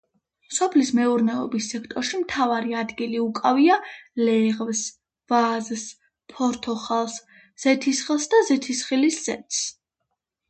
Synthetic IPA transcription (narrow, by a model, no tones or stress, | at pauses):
sɔpʰlismɛuɾnɛɔbisːɛkʰt̪ʼɔɾʃimt̪ʰavaɾiad̪ɡiliukʼavialɛʁvs | vazs | pʰɔɾt̪ʰɔχalˠs | z̥ɛt̪ʰisχilˠsd̪azɛt̪ʰisχilisz̥ɛ̰t̪ss